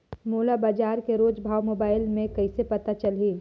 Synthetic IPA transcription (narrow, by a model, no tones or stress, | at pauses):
moːlabaːd͡ʒaːɾkeɾoːd͡ʒbʱaːwmoːbaːɪlmẽkɐɪsepɐt̪at͡ʃɐlɦiː